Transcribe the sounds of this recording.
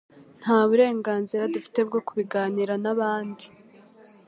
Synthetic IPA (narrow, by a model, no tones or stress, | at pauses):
n̥haːβuɾe̞ːŋɡaːnziɾadufi̥te̞b̚ɡo̞kuβiɡaːniɾanaβaːndi